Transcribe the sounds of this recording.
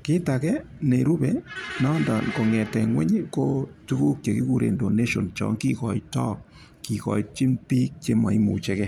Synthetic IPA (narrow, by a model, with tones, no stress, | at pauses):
kɪ˦ta˨kɛ˦ | ne˨ɾu˦bɛ˨nɔ˦nda˨nko˨ŋɛ˨tɛ˨ŋwɛ̰˦ɲ˦ko˦tu˦ku˦k̚t͡ʃe˨ki˦ku˦˨ɾḛ˨ndo˨ne˦ʃo˨nt͡ʃɔ̰˦ŋki˦kɔ˨i˦tɔ˦k̚ | ki˨kɔ̰˨it͡ʃi˦npi˦k̚t͡ʃe˦ma˨i˦mṵ˨t͡ʃɛ˦kɛ˦